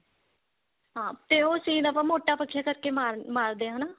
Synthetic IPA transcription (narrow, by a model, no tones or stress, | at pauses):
ɦãːt̪eːoːsĩːnəpãːmoːʈːaːpəkʰːjaːkəɾkeːmaːɾmaːɾd̪eːɦanaː